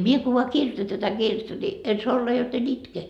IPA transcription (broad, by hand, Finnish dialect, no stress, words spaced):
mie ko ʋoɑ kirj̆ŏtɑ tætæ kirjetːæ ni en soɑ olːɑ jot en itke